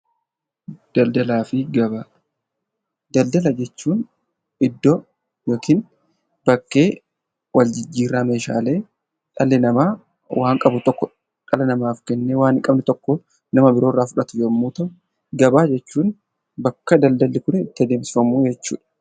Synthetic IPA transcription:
d̪̥ɐld̪ɐlaːfɪɡɐbaː | d̪ɐld̪ɐlɐd͡ʒɛt͡ʃːuːn | ʔɪd̪ːɔ | jo̞ːkɪn | b̥ɐkːe̞ː | wɐld͡ʒɪd͡ʒːiːrːaːme̞ːʃa̰ːle̞ː | ᶑʼɐlɛnɐmaː | wʔaːŋkʼɐbʊt̪ɔkːɔ | ᶑɐlɐnɐmaːfkɛnːeːwaːnɪkʼɐbnɪt̪ɔkːo | nɐmɐbɪɾo̞ːrːaːfʊᶑɐt̪ʊjɛmːuːt̪ɐ | ɡɐbaːd͡ʒɛt͡ʃːuːn | bɐkːɐd̪ɐld̪ɐlːɪkʊnɪt̪ːɪɐd̪e̞ːmsɪ̥fɐmuːd͡ʒɛt͡ʃːṵːᶑɐ̥

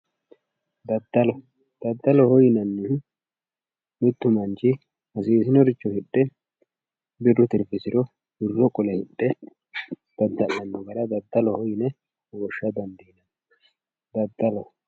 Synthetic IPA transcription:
d̪ɐd̪ːɐlɔ | d̪̥ɐd̪ːɐlɔhɔjɪnɐnːɪ | mɪt̪ːʊmɐnt͡ʃɪ | hɐsiːsɪnɔɾɪt͡ʃːɔhɪɗːɛ | bɪrːʊt̪ɪɾfɪsɪɾɔ | bɪrːɔkʼɔlɛhɪɗːɛ | d̪̥ɐd̪ːɐlɐnːɔɡɐɾɐd̪ɐd̪ːɐlɔhɔjɪnɛ | ɡɔʃːɐd̪ɐnd̪iːnɐn | d̪ɐd̪ːɐlɔ

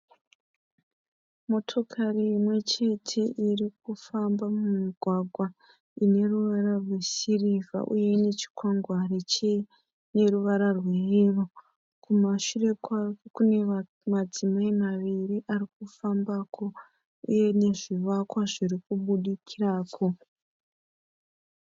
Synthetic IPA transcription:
mo̞tʰo̞kʰariːmwe̞t͡ʃe̞tʰe̞ʔirik̚ufambamumiɡʱwaɡʱwa | ine̞ɾuʋaɾarwe̞siriva̰ʔuje̞ne̞t͡ʃi̥kwaŋɡwaret͡ʃe | ne̞ɾuʋaɾarwe̞ɦiro | kumaʃure̞kwakune̞ | mad͡zimaimaʋiriʔarik̚ufambaːko̞ | ṵje̞ne̞ʐiʋakwaʐirikuɓuɗikʰiraːko̞

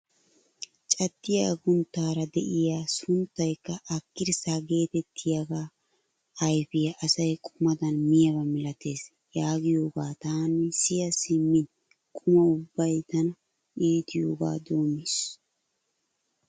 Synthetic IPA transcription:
t͡ʃʼɐt̪ːɪjɐɡʊnt̪ːaːɾɐd̪ɛʔɪjaːsʊnt̪ːɐjkːɐʔɐkːɪɾsaːɡe̞ːt̪ɛt̪ʰːɪjɐɡaː | ɐjfɪjɐʔɐsɐjkʼʊmɐd̪ɐnmɪjɐβɐmɪlɐt̪e̞ːs | jaːɡɪjoːɡaːt̪aːnɪsɪjɐsɪmːɪn | kʼʊmɐʊbːɐjt̪ɐnɐ | iːt̪ɪjo̞ːɡa̰ːd̪o̞ːmɪs

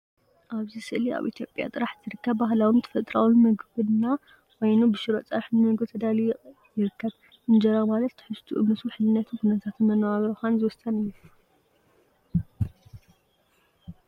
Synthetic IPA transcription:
ʔaβzɨsɨʔlia̰βʔḭt̪ʰjo̞pʼja̰t̪ʼɨɾaħzɨɾɨkʰːɐβːahlawimt̪ʰɐ̥fɐt̪ʼɾa̰wunmɐɡβɨna | wɔjnubɨʃɨɾot͡sʼɐβħnnɨɡot̪ʰɐd̪ali | jɪɾɨkʰːɐβ | ɨnd͡ʒɐɾamalɐt̪ːɨħɨʃt̪ʰuʔɨmːɨt̪ʰuħɨlɨnːɐt̪ʰɨkʰunɐt̪ʰat̪nmɐnɐwaβɾoxanzɨwɔst̪ʰɐnɨu

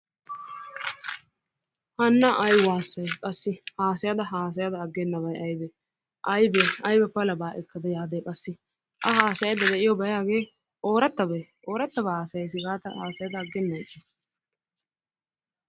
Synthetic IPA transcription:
hɐnːɐʔɐjwaːsːɐjkʼɐsːɪhaːsɐjɐd̪ɐɦaːs̬ɐjad̪ɐːɡːɛnːɐbɐjʔɐjbɛ | ʔɐjbɛɐjbɛpɐlɐbaːʔɛkːɐd̪ɐjaːd̪eːkʼɐsːɪ | ʔɐɦaːsɐjjd̪ɐd̪ɛʔɪjɔbɐjaːɡe̞ː | ʔo̞ːɾɐt̪ːɐbɛʔo̞ːɾɐt̪ːɐbɐhaːsɐjɐjs̬ɪɡaːt̪ɐhaːsɐjɐd̪ɐːɡːɛnːɐjkːɛ

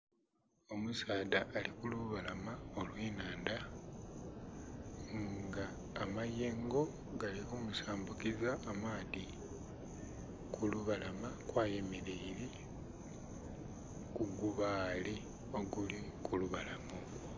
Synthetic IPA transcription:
o̞musaːdaʔːlikuluβalamao̞lwiːnaːnda | ŋɡaː | majeːŋɡo̞ | ɡalikumusaːmbukizaːmaːði | kuluβalamakwaːje̞meɾeiɾi | kuɡuβaːli | o̞ɡulikuluβalamo

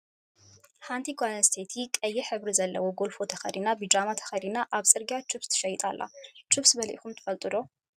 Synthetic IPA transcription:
ħant̪ʰiɡanɐst̪ʰet̪ʰikʼɐjːɛħɨβɾizɐlːɐwoɡo̞lfo̞t̪ʰɐxɐ̰ɾinabɨd͡ʒamat̪ʰɐ̥xɐɾinaʔaβsʼɨɾɡjat͡ʃʰuβst̪ʰɨ̥ʃɐjt̪ʼalːa̰t͡ʃʰɨβsbɐlʔixumt̪ʰɨ̥fɐlt̪ʼɨd̪o̞

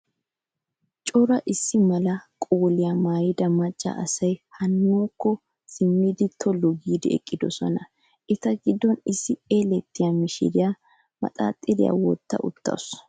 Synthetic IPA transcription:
t͡ʃʼɔɾɐʔɪsːɪmɐlɐkʼoːlɪjɐmaːjɪd̪ɐmɐt͡ʃʼːɐ̰ʔɐsɐjhɐnːoːkːɔ | sɪmːid̪ɪt̪ʰɔlːɔɡiːd̪ɪɛ̰kʼːɪd̪ɔsɔnɐ | ʔɪt̪ɐɡɪd̪ːɔnɪsːɪeːlɛt̪ːɪjamɪʃɪ̰d̪ɪja | mɐ̰t̪ʼa̰ːt̪ʼːɪd̪ɪ̰ja̰wɔt̪ːɐ̰ʔʊ̰t̪ːɐ̰s

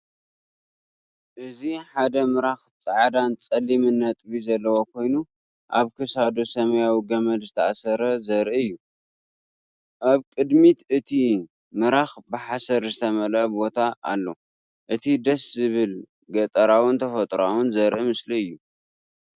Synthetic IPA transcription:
ʔɨziħad̪ɐmɨɾaxt͡sʼaʕd̪ant͡sʼɐlːimɨnːɐt̪ʼβizɐlːɐwo̞kʰo̞jnu | ʔa̰βkʰɐsad̪o̞sɐmɐjawiɡɐmɐd̪zɨt̪ʰɐʔasɐɾɐzɐɾʔiɨjːu | ʔaβkʼɨd̪mit̪ɨt̪ʰi | mɨɾaxbɨħasɐɾzɨt̪ʰɐmɐlɐbbo̞t̪ʰa̰ːlːo̞ | ʔɨt̪ʰid̪ɐszɨβɨl | ɡɐt̪ʼɐɾawɨnt̪ʰɐfɐt̪ʼɾawɨnzɐɾʔimɨsliɨjːu

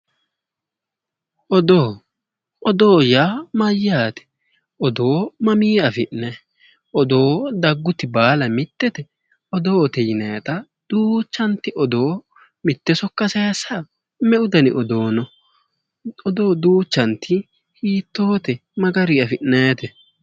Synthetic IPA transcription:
ʔɔd̪oː | ʔɔd̪oːjaːmɐjːaːt̪ɛ̥ | ɔd̪oːmɐmiːɐfɪʔnɛ | ʔɔd̪o̞ːd̪ɐɡːʊt̪ːɪbaːlɐmɪt̪ːɛt̪ɛ | ɔd̪oːt̪ɛjɪnɐjɐt̪ɐ | d̪̥uːt͡ʃːɐnt̪ɪʔɔd̪o̞ː | mɪt̪ːɛsɔkːɐsɐjɐsɐ | mɛʊd̪ɐnɪ̰ʔɔd̪oːnɔ | ɔd̪o̞ːd̪uːt͡ʃːɐnt̪ɪ | hiːt̪ːoːt̪ɛmɐɡɐɾiɐfɪʔnɐjɐt̪ɛ

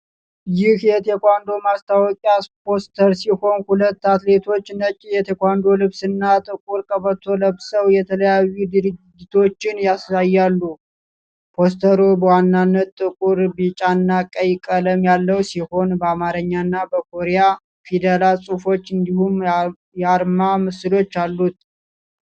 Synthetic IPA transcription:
jɪhjɛt̪ʰekʷand̪o̞mast̪ʰawɔkʼjaspʰo̞st̪ʰəɾsiho̞nhulət̪ːat̪le̞t̪ʰo̞t͡ʃːnət͡ʃʼːijɛt̪ʰe̞kʷand̪o̞lɨβsɨnːat̪ʼɨkʼuɾkʼəβət̪ʰo̞ləβsəwjɛt̪ʰələjajːud̪ɨɾɨːɪt̪ʰo̞t͡ʃːɪnjasajːalːu | pʰo̞st̪ʰəɾubəwanːanːət̪t̪ʼːɨkʼuɾbit͡ʃʼanːakʼəjkʼələmjalːəwsiho̞nbəamaɾəɲːanːabəkʰo̞ɾeja | fid̪elalsʼufo̞t͡ʃːɨnd̪ihum | jaɾmamɨsɨlo̞t͡ʃːalːut̪

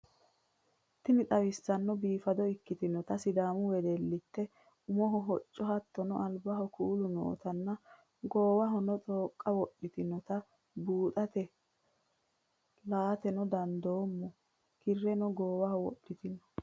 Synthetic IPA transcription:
t̪ɪnɪt̪ʼɐwɪsːɐnːɔbiːfɐd̪ɔɪkːɪt̪ɪnːɔt̪ɐsɪd̪aːmʊwɛd̪ɛlːɪt̪ːɛ | ʊmɔɦɔɦɔt͡ʃʼːɔhɐt̪ːɔnɔʔɐlbɐɦɔkuːlʊno̰ːt̪ɐnːɐ | ɡoːwɐɦɔnɔt͡sʼoːkʼːɐwɔɗːɪt̪ɪnɔt̪ɐ | buːt̪ʼɐt̪ɛ | laːt̪ɛnɔd̪ɐnd̪oːmːɔ | kɪrːɛnɔɡoːwɐhɔwɔ̰ɗːɪt̪ɪnɔ

